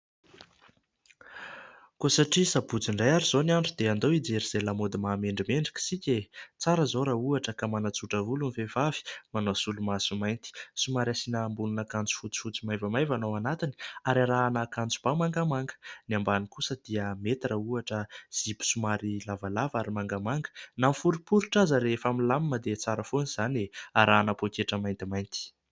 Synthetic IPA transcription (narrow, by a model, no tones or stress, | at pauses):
kosaʈ͡ʂisabud͡ziɳɖ͡ʐajaɾizoniaɳɖ͡ʐud̪eand̪owid͡zeɾiz̥elamod̪imaːmeɳɖ͡ʐimeɳɖ͡ʐi̥ki̥sikʲet͡saɾəzoɾauaʈ͡ʂəkamanat͡suʈ͡ʂəvulunifevavi̥manosulumasumajnt̪i̥sumaɾasinaːmbununakant͡su̥fut͡si̥fut͡simajvamajvanowanat̪iniaɾaɾaːnəkant͡su̥b̥amaŋɡamaŋɡə̥niambanikusəd̪̥iəmet̪irauaʈ͡ʂəz̥ibu̥sumaɾilavalavaɾimaŋɡamaŋɡə̥namfuɾipuɾiʈ͡ʂazəɾefamilamiməd̪et͡saɾəfoniz̥aneaɾaːnapokeʈ͡ʂəmajnt̪imajnt̪i̥